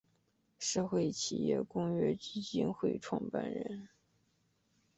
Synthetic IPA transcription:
ʂɤ˥˧xwe˥˩ɪt͡ɕʰḭ˨˩jɛ̰˥˩kʊ˥ŋɥɛ˥˧t͡ɕi˥t͡ɕi˥nxwe˥˩ɪʈ͡ʂʰwɑ˥˧ŋpa̰˥˩nɻə̰˧˥n

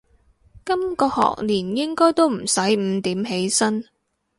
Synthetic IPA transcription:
kɐ˥mkɔː˧hɔ̰ː˨k̚niː˨˩njɪ˥ŋkɔː˥jt̪o˥wm̩˨˩sɐ˨˥jm̩ː˨˧t̪iː˨˥mɦe˨˥jsɐ˥n

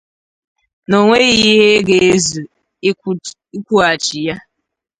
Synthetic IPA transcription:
no˨ŋʷe˦ɣi˦ɦe˦ɡe˨e˦zu˨ | i˦kʷu˦a˨t͡ʃi˨ja˦

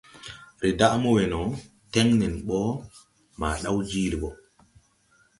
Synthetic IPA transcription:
ɾɛ˨da˦ʔmɔ˦wɛ˨nɔ˨ | tɛ˦ŋnɛ˨nɓɔ˦ | ma̰˨ɗa˦wd͡ʒiː˦ɾi˨ɓɔ˨

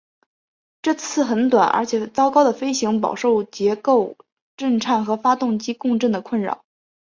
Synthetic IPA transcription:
ʈ͡ʂɤ˥˩t͡sʰɹ̩˥˩xə˧˥nt̪wa˨˩nə̰˞˧˥t͡ɕʰjɛ˨˩t͡sɑ˥ʊkɑ˥ʊd̪ə˨˩fe˥ɪɕi˧˥ŋp̬ɑ̰˨˩ʊʂo˥˩ʊt͡ɕjɛ˧˥ko˥˧ʊ | ʈ͡ʂə˥˧nʈ͡ʂʰa˥˩nxɤ˧˥fa˥t̪ʊ˥˩ŋt͡ɕi˥kʊ˥˧ŋʈ͡ʂə˥˩ŋd̪ə˩kʰwə˥˩nɻɑ̰˨˩˦

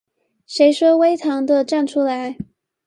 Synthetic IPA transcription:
ʂe˧˥ɪʂɤ˥we˥ɪt̪ʰɑ˧˥ŋd̪ə˧ʈ͡ʂa˥˩nʈ͡ʂʰu˥la˧˥ɪ

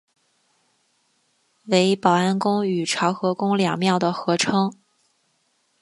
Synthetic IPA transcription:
we˧˥ɪpɑ˨˩ʊa˥nkʊ˥ŋy˨˩ʈ͡ʂʰɑ˧˥ʊxɤ˧˥kʊ˥ŋljɑ̰˨˩ŋmjɑ˥˩ʊd̪ə˩xɤ˧˥ʈ͡ʂʰɤ˥ŋ

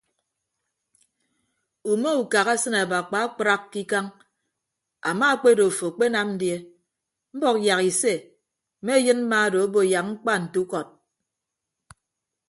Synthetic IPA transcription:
u˨me˦u˨ka˨ɣa˦sɨ˦na˨ba˨k͡pa˨˦a˦k͡pɾa˦kːi˦ka˦ŋ | a˨ma˦k͡pe˦do˨fo˨k͡pe˦na˦mn̩˦dje˦ | m̩˦bɔ˦k̚ja˨ki˨se˦˨ | me˦jɨ˦nm̩˦ma˦˨do˨o˦bo˨ja˨k̚ŋ͡m̩˦k͡pa˦n̩˨tu˦kɔ˨t̚

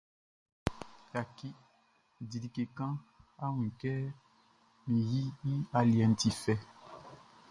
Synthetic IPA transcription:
ja˨ki˦ | di˨li˨ke˨kã˦a˦w̃ĩ˨kɛ˦ | mĩ˨ji˦i˦a˨li˨ɛ˨n̩˨ti˨fɛ˨

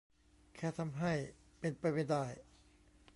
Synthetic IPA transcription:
kʰɛː˥˩t̪ʰa˧mɦa˥˩j | pe˧npa˧jpa˥˧˩jdaː˥˩j

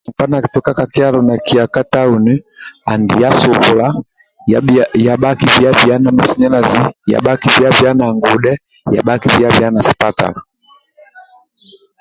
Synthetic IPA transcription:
u˨pa˦na˨ki˨tu˦ka˦ka˨ki˦a˦lɔ˨na˨ki˨a˨ka˦ta˦u˨ni˦a̰˨ndḭ˨ja˦so˨βo˨la˦˨ | ja˨ɓa˦ki˦vi˨˦a˦vi˨a˦na˨ma˨si˦ɲa˦na˨zi˦ja̰˨ɓa˦ki˦vi˦a˦vi˨a˦na˨ŋɡo˨dɛ˦ja̰˨ba˦ki˦vi˨˦a˦vi˨˦a˦na˨si̥˨pa˦ta̰˨la˨

